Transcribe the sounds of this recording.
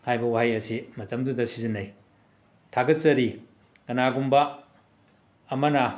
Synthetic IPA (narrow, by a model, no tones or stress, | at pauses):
hajbɐwaɦajɐsimɐtɐmdudɐsizinɐj | tʰaɡɐt̚sɐɾi | kɐnaɡumbɐ | mɐnɐ